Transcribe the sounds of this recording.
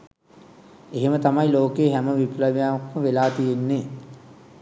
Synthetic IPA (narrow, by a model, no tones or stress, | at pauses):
eɦemət̪amajloːkeːɦæməʋipləʋjaːmkməʋelaːt̪ijenːe